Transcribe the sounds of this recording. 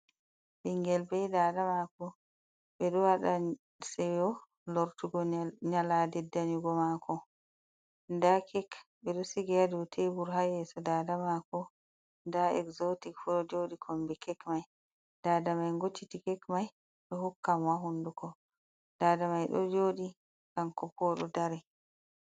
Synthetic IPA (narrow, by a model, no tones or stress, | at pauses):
ɓiŋɡɛlbɛjdadamakɔ | ɓɛɗɔwaɗa | sɛjɔ | lɔɾtuɡɔɲaladɛdːaɲuɡɔmakʰɔ | ndakʰɛk | bɛɗɔsiɡɛjadɔwtʰebuɾɦajɛsɔdaːdamakɔ | ndaɛ̰kzotikfuɗɔd͡ʒoɗikʰɔmbɛkɛkmaj | d̥aːdamajŋɡot͡ʃːitikɛkmaj | ɗɔɦukːamwaɦundukɔ | d̥adamajɗɔ̰d͡ʒoːɗi | kankɔpɔɗɔ̰daɾɛ